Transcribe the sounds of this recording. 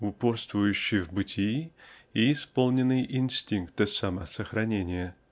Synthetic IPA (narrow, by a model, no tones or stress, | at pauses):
ʊporst̪vʊjʉɕːɪvbɨtʲʰi | iːspo̞lˠnʲɪnːɨjʔinsʲtʲiŋkt̪ɨsamɐsəxɾɐnʲenʲɪjə